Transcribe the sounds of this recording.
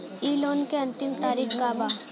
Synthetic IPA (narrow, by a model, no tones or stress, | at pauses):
iːloːnkeɐ̃nt̪ɪmt̪aːɾikkaːba